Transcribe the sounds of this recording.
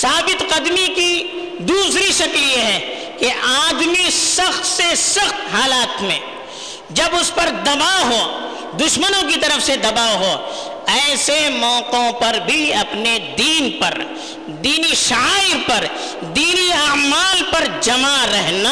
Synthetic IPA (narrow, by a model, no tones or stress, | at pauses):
saːbɪt̪qɐd̪miki | d̪uːsɾiʃɐkljeɦɛ | keʔaːd̪misɐxt̪sesɐxt̪ɦaːlaːt̪mḛ̃ | d͡ʒɐbʊspɐɾd̪ɐbaɦo | d̪ʊʃmənõk̬it̪ɐɾəfsed̪ɐbaːɦoː | ɛːsemɔːqõpɐɾbʱiɐpned̪iːnpɐɾ | d̪iːniʃaaːɪɾpɐɾ | d̪iːniaːmaːlpɐɾd͡ʒɐmaɾɛɦnaː